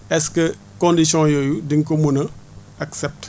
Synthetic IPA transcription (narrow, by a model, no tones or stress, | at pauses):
ɛskə | kõndisõjojudiŋkomunɐ | aksɛp̚t